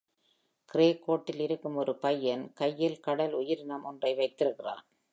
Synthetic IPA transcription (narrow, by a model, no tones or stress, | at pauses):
kɪreːkːoːʈːɪlɪɾɯkːɯmɔɾɯpɐjːɐnkɐjːɪlkɐɽɐlʊjɪɾnɐmɔndrɐɪʋɐɪt̪ːɪrɯkːɪra̰ːn